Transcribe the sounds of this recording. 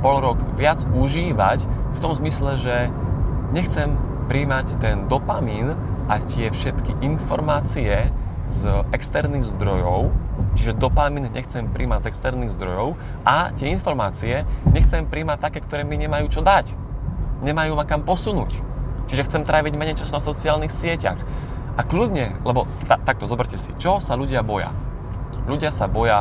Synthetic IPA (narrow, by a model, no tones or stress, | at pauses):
bɔlɾɔɡʋɪad͡zuʒiːʋa̰cft̪ɔmzmislɛʒɛ | ɲɛxt͡sɛmpɾiːmact̪ɛnd̪ɔpamiːn | ʔac̪ɪɛfʃɛt̪kiʔinfɔɾmaːt͡siɛ | zɛkst̪ɛɾniɣzd̪ɾɔjɔʊt͡ʃiʒɛd̪ɔpamiːnɲɛ̰xt͡sɛmpɾʔḭːmaɟzɛkst̪ɛɾniːɣzd̪ɾɔjɔʊ | ʔat̪ɪɛinfɔɾmaːt͡siɛɲɛxt͡sɛmpɾiːmac̚t̪akɛːkt̪ɔɾɛːmiɲɛmajuːt͡ʃɔd̪ac | ɲɛmajuːmakampɔsunuːct͡ʃiʒɛxt͡sɛmt̪ɾʔaːʋiɟmɛɲɛjt͡ʃasnɔsɔt͡siaːlnixsɪɛca̰x | ʔakludɲɛlɛbɔ | t̪at̪ak̚t̪ɔzɔbɛɾcɛsḭt͡ʃɔsaʎuɟɪabɔja̰ | ʎuɟɪasabɔja